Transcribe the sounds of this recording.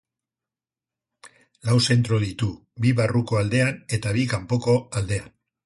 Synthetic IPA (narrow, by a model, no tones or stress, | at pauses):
lawse̞nt̪ɾo̞ðit̪u | biβaruko̞ald̪e̞ane̞t̪aβ̞ikampo̞ko̞ald̪e̞an